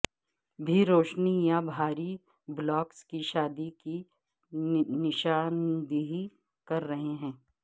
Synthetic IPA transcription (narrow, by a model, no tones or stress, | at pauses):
bʱiɾoːʃnijabʱaːɾi | blɔːkskiʃaːd̪iki | nɪʃaːnd̪iɦi | kɐɾːɐɦeɦɛ̃ː